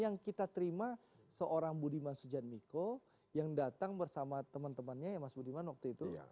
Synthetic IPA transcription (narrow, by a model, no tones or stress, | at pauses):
jaŋkit̪at̪əɾima | səʔoɾaŋbudimansud͡ʒat̪̚miko | jaŋdat̪aŋbərsamat̪əmənt̪əmənɲajamasbudimanwak̚t̪uit̪ṵ